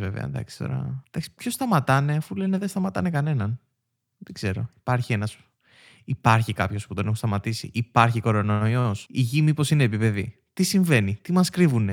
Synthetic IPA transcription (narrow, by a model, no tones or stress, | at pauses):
vevḛɐ̰nd̪ɐ̰ksi̥t̪o̰ɾɐ̰d̪ɐksi̥pço̞st̪ɐmɐt̪ɐne̞ɐfule̞ne̞ðest̪ɐmɐt̪ɐ̰ne̞kɐne̞nɐn | ðeɡze̞ɾo̞̰ipɐɾçie̞nɐs | ipɐɾçikɐpço̞sput̪o̞ne̞xost̪ɐmɐt̪isḭʔipɐɾçiko̞ɾo̞noojosiʝimiposine̞ːpipe̞ðḭ | t̪isiɱve̞nit̪imɐskɾivune